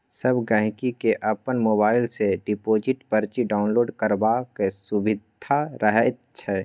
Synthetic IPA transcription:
sɐbɡɛ̃ɦkikeʔɐpənmoːbaːɪlseɖɪpoːd͡ʒɪʈpəɾt͡ʃiɖaːʊnloːɖkəɾbakesʊbɪd̪ʱaɾəɦɛt̪t͡ʃʰɛː

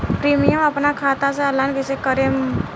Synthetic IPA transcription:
pɾimijəməpnakʰat̪aseəlːankəsekəɾem

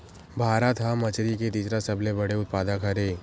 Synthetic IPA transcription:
bʱaːɾat̪ʰamɐt͡ʃɾiket̪iːsɾasɐblebɐɽeʊt̪̚paːd̪akʰɐɾeː

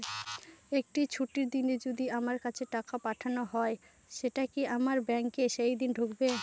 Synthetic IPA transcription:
ek̚ʈit͡ɕʰuʈiɾd̪ined͡ʑod̪iamaɾkat͡ɕʰeʈakapaʈʰanoɦɔe | ʃeʈakiʔamaɾbɛŋkeʃejd̪inɖʱokbe

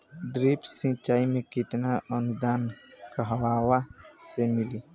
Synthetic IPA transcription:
ɖɾiːpsĩt͡ʃaːimẽkɪt̪naənʊd̪aːnkəɦwaːwasemɪliː

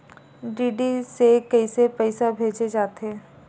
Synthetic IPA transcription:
ɖiːɖisekɐisepəɪsabʱeːd͡ʒed͡ʒaːt̪eː

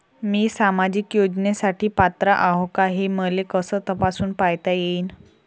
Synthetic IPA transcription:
miːsamad͡ʑiːkjod͡ʑnesaʈiːpat̪ɾaʔaɦokaɦeməlekəsəːt̪əpasuːnpajt̪ajeiːn

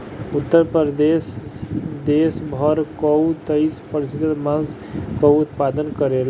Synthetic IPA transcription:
ut̪ːəɾpəɾd̪es | d̪esbʱʌɾkɔwt̪əɪspəɾisit̪ət̪mãns | kɔwut̪pad̪ənkəɾel

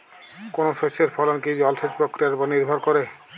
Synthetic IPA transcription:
konoʃoʃeɾfʰɔlonkid͡ʑɔlʃed͡ʑpɾokɾijaɾpɔniɾbʱɔɾkoɾe

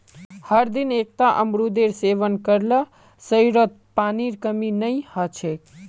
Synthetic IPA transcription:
həɾd̪inek̚t̪aʔə̰mɾud̪eɾseʋənkəɾlə | səjɾot̪̚paniɾkəminəjhət͡ʃʰe

